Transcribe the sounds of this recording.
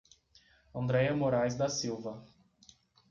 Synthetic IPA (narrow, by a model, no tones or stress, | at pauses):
ɐ̃nd̪ɾɛjɐmoɾajzd̪ɐsiwvɐ